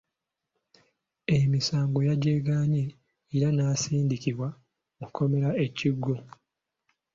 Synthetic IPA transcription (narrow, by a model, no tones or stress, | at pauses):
emisaːŋɡo̞jaɟeːɡaɲeː | ɾanaːsiːndiciβwa | mukʰːo̞me̞ɾae̞ciɡːo